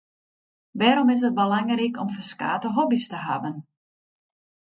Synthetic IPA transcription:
ʋɛːɾɔmɪs̬ət̚bəlaŋrikɔmfərska̰ːtəɦobistəɦa̰bən

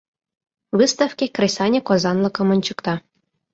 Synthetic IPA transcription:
ʋɨst̪afkʲekrʲesɑnʲekozɑnlˠɤ̆kɤ̆mɤ̆nʲt͡ɕɤ̆kt̪ɑ

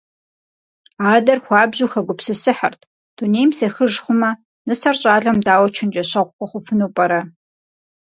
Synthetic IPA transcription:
aːdɐrxʷɑːbzuːxɐɡʷʊpsɨsɨħɐ̰rtʰ | d̥uneːjmseːxɨʒχʷʊmɐ | nɨsɐrɕʼaːɮɐmdaːwɐt͡ʃʰɪnd͡ʒɐɕɐʁʷkʷʼɔχʷʊfɨnuːpʼɐɾɐ

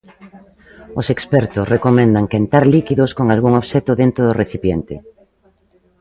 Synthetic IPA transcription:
osekspɛɾt̪osrekomẽnd̪aŋkent̪aɾlikiðoskoŋalɣuŋoβʃet̪oðent̪ɾoð̞oreθipjent̪ɪ̰

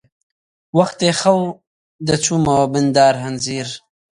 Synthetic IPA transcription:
waxt̪exaw | d̪ət͡suːmawabɪnd̪ɑːɾɦanziːɾ

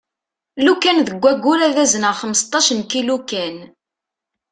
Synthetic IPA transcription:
lukːænðəɡʷːæɡʷːulæðæzənəʁχəməst̪ˤːɑʃənkilukæn

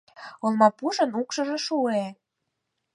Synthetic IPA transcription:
olmɑpuʒə̆nukʃɤ̆ʒĕʃue

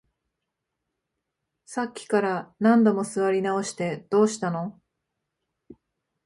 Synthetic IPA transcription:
sakʲːi̥kaɾanãnd̪o̞mo̞sɨβaɾʲinao̞ɕi̥t̪e̞d̪̥o̞ːɕi̥t̪ano̞

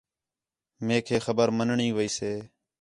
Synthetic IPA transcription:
mẽːkʰeːxəbəɾmənɳĩːʋəiːseː

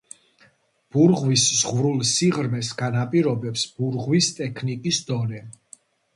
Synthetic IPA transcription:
b̥uɾʁwiszʁvɾulˠsiʁɾmɛsɡ̥anapʼiɾɔbɛpsb̥uɾʁwist̪ʼɛkʰnikʼisd̪̥ɔnɛ

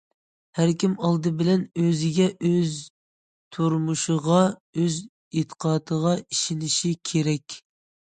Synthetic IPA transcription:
hæɾkʲimɑlˠd̪ɨbɪlɛnøzɪɡʲɛʔøz | t̪ʰuɾmuʃɨʁɑøz | et̪ʰə̥qʰɑːt̪ʰəʁɑiʃinɪʃikʲʰeɾɛkʲ

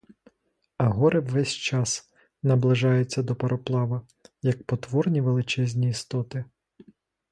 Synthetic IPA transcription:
ɐɦɔɾɪwʋɛsʲt͡ʃɑs | nɐblˠɪʒɑjʊt͡sʲːɐd̪ɔpɐɾʔɔplˠɑʋɐ | jɐk̚pɔt̪ʋɔrnʲiʋelˠɪt͡ʃɛzʲnʲiːst̪ɔt̪ɪ

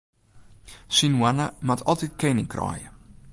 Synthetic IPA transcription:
sinwanəmatʰɔlˠtit̚kejnɪŋkrɔ̰ːjə

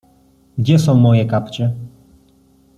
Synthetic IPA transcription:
ɡd͡ʑɛsɔ̃w̃mɔjɛkapt͡ɕɛ

